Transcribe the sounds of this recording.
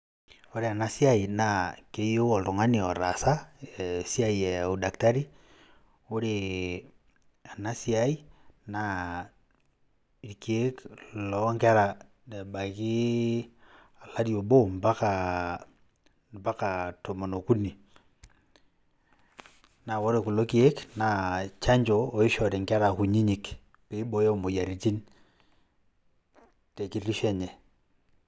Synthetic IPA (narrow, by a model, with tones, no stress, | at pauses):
o˦ɾe˨a˨na˨si˦a˦i˨na˨ke˨˦jo˦ɔ˨lto˨ŋa˦ni˨ɔ˨ɾa˨sa˦ɛ˨si˦a˦i˨ɛ˨o˨da˨kta˦ɾi˦ | o˦ɾe˨ | a˨na˦si˦a˦i˦na˨ | i˨ɾike˦lɔ˨˦ŋɡɛ˦ɾa˨ | dɛ˨ba˨ɣi˦ | a˨la˦djo˨bo˦mba˦ka˨ | ba˦ka˨to˨mo˨no˨ku˦ni˨ | na˨wo˦ɾe˨ku˨lo˦ki˦e˦kna˨t͡ʃa˦ɲd͡ʒo˨o˨i˦ʃɔ˨ɾi˨ŋkɛ˦ɾa˨ku˨ɲi˦ɲi˨k | pe˨i˦bo˨je˦o˨mo˨ja˨ɾi˨ti˦n | te˨ki˦ɾi˦ʃɛ˦ɲɛ˨